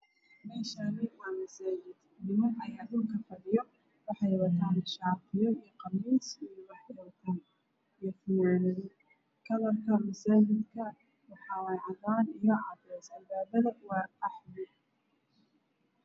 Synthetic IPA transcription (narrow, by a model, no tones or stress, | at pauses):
mɛːʃanɪwɑaːmɐsaːd͡ʒɪd̪ | nɪmɐnɐjaːðuŋkʰɐfɐðɪjɔ | wɑħɑjwɑt̪ʰaːnʃɑːqɪjɔijɔqɑmiːsijɔwɑħɪt̪ʰaːn | ijɔfɪnaːnɐðɔ | kʰɐlɐrkʰɐmɐsaːd͡ʒɪd̪kʰɐ | wɑħɑːwɛjʕɑðaːnijɔʕɑbɛsɐːnd̪aːbɐðɐwaːɐħmɪ